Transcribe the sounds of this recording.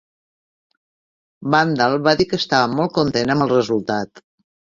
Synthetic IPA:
band̪alˠβaðikəst̪aβəmɔlˠt̪̚kunt̪enəməlˠrəzulˠt̪at̪

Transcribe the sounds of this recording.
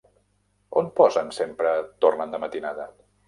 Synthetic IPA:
onpɔzənsempɾət̪ornənd̪əmət̪inaðə

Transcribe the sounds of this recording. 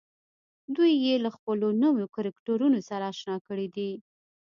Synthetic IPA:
d̪ujːelaxpəlonumokaɾakʈoɾunosaɾaːʃnɑkəɽid̪i

